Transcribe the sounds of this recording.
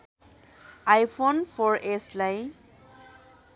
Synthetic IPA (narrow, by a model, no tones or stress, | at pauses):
ajpʰonpʰɔɹʔeslaj